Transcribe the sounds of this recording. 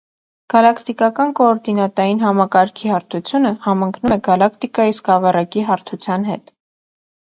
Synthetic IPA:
ɡ̥ɑlɑkt̪ikɑkɑnkɔːɾd̪inɑt̪ɑjinɦɑmɑkɑɾkʰihɑɾt̪ʰut͡sʰjunəhɑmɑŋkʰnumɛɡɑlɑkʰt̪ikɑjiskɑvɑrɑkiɦɑɾt̪ʰut͡sʰjɑnɦɛ̰t̪

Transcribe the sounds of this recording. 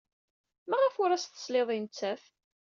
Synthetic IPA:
mæʁəfʊɾæst̪ə̥sleðˤint͡sːæf

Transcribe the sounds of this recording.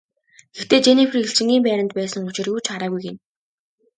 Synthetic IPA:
ɡext̪eːt͡ɕenipʰrxeɬt͡ɕɪ̆ŋɡʲiːmpæːɾʲə̆nt̪̚pæːsə̆ŋʊt͡ɕɪ̆rjuːt͡ɕaɾaːɣujɡen

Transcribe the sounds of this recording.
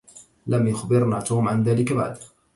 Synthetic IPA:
lamjʊxbɪɾnaːt̪uːmʕanðaːlɪkaba̰ʕd̪

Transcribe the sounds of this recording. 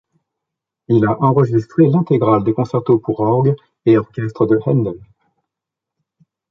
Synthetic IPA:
ilaʔɑ̃ʁəʒist̪χelɛ̃t̪eɡʁald̪ekɔ̃sɛʁt̪opuʁɔʁɡ | eɔʁkʲɛst̪χəd̪əhɛnd̪ɔn

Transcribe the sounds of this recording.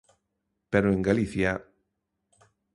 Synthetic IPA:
peɾoẽŋɡaliθja

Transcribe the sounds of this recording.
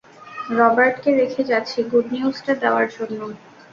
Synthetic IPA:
ɾɔbaɾʈkeɾekʰed͡ʑatːɕʰiɡuɖniusʈad̪eoaɾd͡ʑonːo

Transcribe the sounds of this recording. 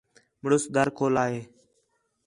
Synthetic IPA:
məɽʊsd̪əɾkoːlaːɦeː

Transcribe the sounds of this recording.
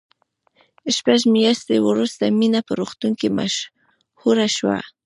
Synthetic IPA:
ɪʃpaʃ̬mɪjast̪ɪwʊɾʊst̪amɪnapaɾoχt̪ʊŋkɪma̰ʃ | hʊɾaʃwa̰

